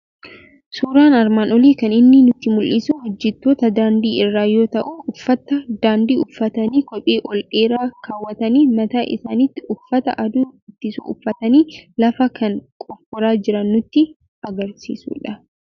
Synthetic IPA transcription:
suːɾaːnɐɾmaːnɔliːkɐnɪnːɪnʊt̪ːɪmʊlʔɪsuhɔd͡ʒːɪt̪ːoːt̪ɐd̪aːnd̪iːʔɪrːaːjo̞ːt̪ɐʔuːʊfːɐt̪ːɐd̪aːnd̪iːʊfːɐt̪ɐniːkɔpʼeːʔɔlᶑeːɾaːkaːwːɐt̪ɐniːmɐt̪aːʔɪ̰saːnɪt̪ːɪʊfːɐt̪ɐ̰ʔɐd̪uːɪt̪ːɪsṵʊfːɐt̪ɐniːlɐfɐkɐŋkʼɔkːɔɾaːd͡ʒɪɾɐnːʊt̪ːɪ | ɐɡɐɾsḭːsṵːᶑɐ

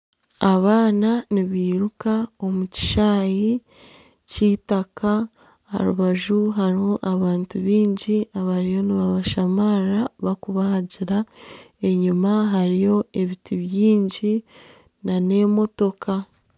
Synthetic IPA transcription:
aβaːnaniβiːɾukao̞muci̥ʃaːji | ciːtakʰa | a̰ɾuβaʒuɦaɾihoʔaβaːntuβiːɲɟiaβaɾijo̞niβaβaʃamaɾaβakuβahaɟiɾae̞ɲimaɦaɾijo̞e̞βituβjiːɲɟi | nane̞ːmo̞to̞ka

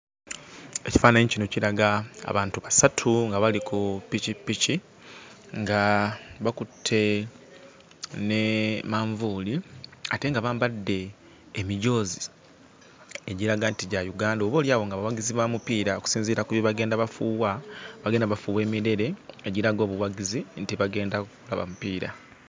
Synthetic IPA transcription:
e̞ci̥faːnaɲicinociɾaɡaa̰βaːntuβasatʰuŋɡaβalikʰupicipici | ŋɡaβakutʰːe̞ | ne̞maːɱvuːliate̞ŋɡaβaːmbadːe̞ː | miɟo̞ːzi | eɟiɾaɡantiɟajuɡaːndoβo̞ːljaːwo̞ŋɡaβawaɡiziβwamupiːɾaoku̥siːnziːɾakuβjoβaɡe̞ːndaβafuːwaβaɡe̞ːndaβafuːwe̞ːmiɾe̞ɾe̞eɟiɾaɡo̞ːβuwaɡizintiβaɡe̞ːndakula̰βa̰mupiːɾa̰

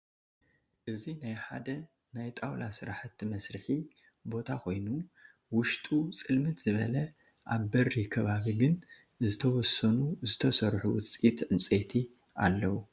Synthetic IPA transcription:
ʔɨzinajħa̰d̪ɐ | najt̪ʼawlasɨɾaħɨt̪ʰːimɐsɾɨħi | bo̞t̪ʰakʰo̞jnu | wʊʃt̪ʼut͡sʼɨlmɨt̪z̥ɨβɐlɐ | ʔaβbɐrːikʰɐβaβiɡɨn | zɨt̪ʰɐwɔsɐnuzɨt̪ʰɐsɐɾħuwɨt͡sʼit̪ʕɨmt͡sʼet̪ʰi | ʔa̰lːɐwu

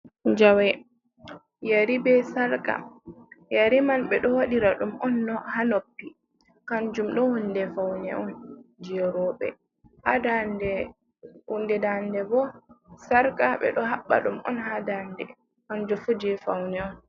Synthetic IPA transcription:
d͡ʒawɛ | jaɾibɛsaɾka̰jaɾimanɓɛɗɔwaɗiɾaɗumɔnːɔhanopːi | kand͡ʒumɗɔhundɛfawnɛ̰ʔɔnd͡ʒɛɾɔɓɛ̰ | hadandɛ | hundɛdandɛbɔsaɾkaɓɛ̰ɗɔɦaɓːa̰ɗumɔ̰nhadandɛ̰ | kand͡ʒɔfud͡ʒɛfawnɛɔn

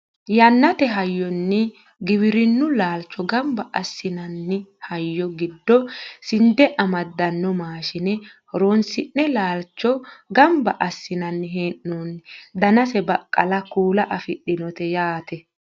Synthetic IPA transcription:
jɐnːɐt̪ɛɦɐjːɔnːɪ | ɡɪwɪɾɪnːʊlaːlt͡ʃːɔɡɐmbɐʔɐsːɪnɐnːɪhɐjːɔɡɪd̪ːɔsɪnd̪ɛʔɐmɐd̪ːɐnːɔmaːʃɪnɛ | ɔɾoːnsɪnːɛlaːlt͡ʃːɔɡɐmbɐʔɐsːɪnɐnːɪɦeːʔːuːnd̪ɐnɐsɛbɐkʼːɐlɐkuːlɐʔɐfɪɗːɪnɔt̪ɛjaːt̪ɛ

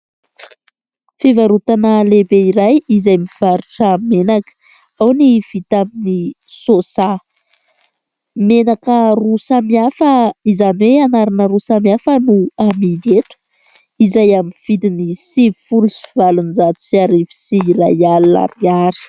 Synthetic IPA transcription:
fevaɾut̪anəlebeiɾajizajmiv̥aɾuʈ͡ʂamenakə̥ | awniv̥it̪aminisosa | menakərusamiafəizaniweanaɾanəɾusamiafənuamid̪et̪u̥ | izajaminv̥id̪inisivifulusiv̥alunizat̪u̥siaɾivi̥siːɾajalua̰miaɾi̥

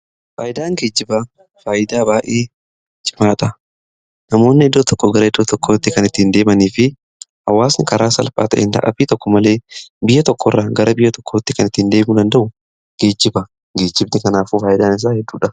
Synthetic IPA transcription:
faːjɪd̪aːŋɡeːd͡ʒːɪba | faːjɪd̪aːbaːʔeː | d͡ʒɪmaːᶑɐ | nɐmo̞ːnːɪɪd̪ːoːt̪ɔkːɔɡɐɾɐɪd̪ːoːt̪ɔkːoːt̪ːɪkɐnɪt̪ːɪːnd̪e̞ːmɐniːfɪ | ʔɐ̰wːaːsnɪkɐɾaːsɐlfa̰ːt̪ɐ̰ʔɛ̰nd̪ɐ̰ʔɐ̰biːt̪ɔkːɔmɐle̞ːbɪjːɐt̪ɔkːɔrːɐɡɐɾɐbɪjːɐt̪ɔ̥kːoːt̪ːɪkɐnɪt̪ːɪnd̪eːmʊd̪ɐnd̪ɐʔʊ | ɡ̥eːd͡ʒːɪbɐ | ɡe̞ːd͡ʒːɪbnɪkɐnaːfuːfaːjɪd̪aːnɪs̬aːhɛd̪ːuːᶑɐ

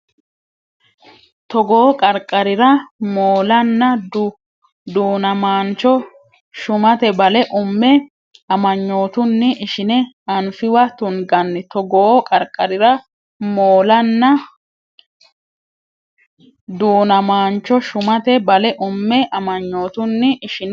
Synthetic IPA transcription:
t̪ɔɡoːkʼɐɾkʼːɐɾɪɾɐmoːlɐnːɐd | d̪uːnɐmaːnt͡ʃːɔ | ʃʊmɐt̪ɛbɐlɛʔʊmːɛ | ɐmɐɲːo̞ːt̪ʊnːɪʔɪʃɪnɛ | ɐnfɪwɐt̪ʊnɡɐnːɪt̪ɔɡoːkʼɐɾkʼːɐɾɪɾɐ | moːlɐnːɐ | d̪uːnɐmaːnt͡ʃːɔʃʊmɐt̪ɛbɐlɛʔʊmːɛʔɐmɐɲːo̞ːt̪ʊnːɪɪʃɪn

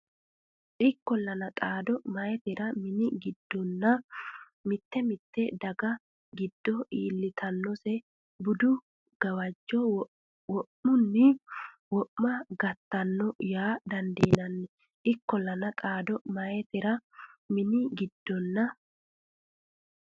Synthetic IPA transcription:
ʔɪkːɔlːɐnɐt̪ʼaːd̪ɔmɐɛt̪ɪɾɐmɪnɪɡɪd̪ːɔnːɐ | mɪt̪ːɛmɪt̪ːɛd̪ɐɡɐ | ɡɪd̪̥ːɔiːlːɪt̪ɐnːɔsɛ | bʊd̪ʊ | ɡ̥ɐwɐd͡ʒːɔ | wɔʔːʊnːɪ | wɔʔmɐɡɐt̪ːɐnːɔjaːd̪ɐnd̪iːnɐnːɛ | ʔɪkːɔlːɐnɐt̪ʼaːd̪ɔmɐjɛt̪ɪɾɐmɪnɪɡɪd̪̥ːɔnːɐ

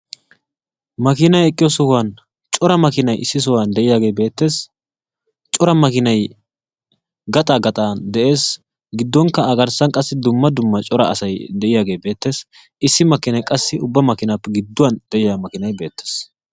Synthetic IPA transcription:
mɐkɪnɐjɛkʼːɪjɔsʊhʊwaːn | t͡ʃʼɔɾɐmɐkɪnɐjʔɪ̰sːɪs̬ɔwaːnd̪ɛʔɪjaːɡe̞ːbe̞ːt̪ːe̞ːs | t͡ʃʼɔɾɐmɐkɪnɐj | ɡɐt̪ʼaːɡɐt̪ʼaːnd̪ɛʔe̞ːs | ɡɪd̪ːɔŋkːɐːɡɐɾsɐŋkʼɐsːɪd̪ʊmːɐd̪ʊmːɐt͡ʃʼɔɾɐɐsɐjd̪ɛʔɪjaːɡe̞ːbe̞ːt̪ːe̞ːs | ɪsːɪmɐkːɪnɐjkʼɐsːɪʊbːɐmɐkɪnaːpːɛɡɪd̪ːʊwɐnd̪ɛʔɪjamɐkɪnɐjbe̞ːt̪ːe̥ːs

